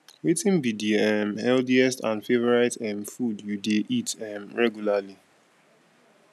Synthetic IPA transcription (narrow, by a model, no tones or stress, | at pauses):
wetĩnbidiɛmhɛlθiɛstã̰nfevɔɹaɪtɛmfudjudeʔitɛmɹɛɡjulali